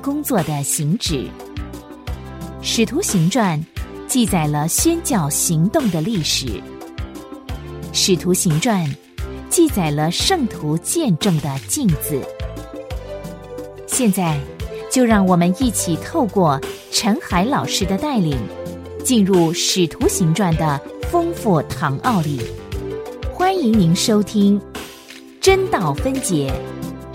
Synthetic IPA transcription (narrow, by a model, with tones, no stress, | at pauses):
kʊ˥ŋt͡swɔ˥˩d̪ə˩ɕi˧˥ŋʈ͡ʂɻ̩˨˩˦ | ʂɻ̩˨˩t̪ʰu˧˥ɕi˧˥ŋʈ͡ʂwa˥˧nt͡ɕi˥˩t͡sa˨˩ɪlə˦ɕɥɛ˥nt͡ɕjɑ˥˩ʊɕi˧˥ŋt̪ʊ˥˩ŋd̪ə˩li˥˩ʂɻ̩̰˨˩˦ | ʂɻ̩˨˩t̪ʰu˧˥ɕi˧˥ŋʈ͡ʂwa˥˧n | t͡ɕi˥˩t͡sa˨˩ɪlə˦ʂɤ˥˩ŋt̪ʰu˧˥t͡ɕjɛ˥˧nʈ͡ʂɤ˥˩ŋd̪ə˩t͡ɕi˥˩ŋt͡sɹ̩˨˩ | ɕjɛ˥˧nt͡sa˥˩ɪt͡ɕjo˥˧ʊɻɑ˥˩ŋwɔ˨˩mə˦ni˥˩t͡ɕʰi˨˩t̪ʰo˥˧ʊkwɔ˥˩ | ʈ͡ʂʰə˧˥nxa˧˥ɪlɑ˨˩ʊʂɻ̩˥d̪ə˨t̪a˥˩ɪli˨˩ŋ | t͡ɕi˥˧nɻu˥˩ʂɻ̩˨˩t̪ʰu˧˥ɕi˧˥ŋʈ͡ʂwa˥˩nd̪ə˩fɤ˥ŋfu˥˩t̪ʰɑ˧˥ŋʔɑ˥˧ʊli˥˩ | xwa˥ni˧˥ŋni˧˥nʂo˥ʊt̪ʰi˥ŋ | ʈ͡ʂə˥nt̪ɑ˥˩ʊfə˥nt͡ɕjɛ˧˥